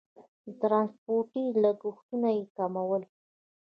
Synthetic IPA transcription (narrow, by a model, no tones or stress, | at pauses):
t̪ɾɑnspoɾʈilaɡʊxt̪unajekamawəl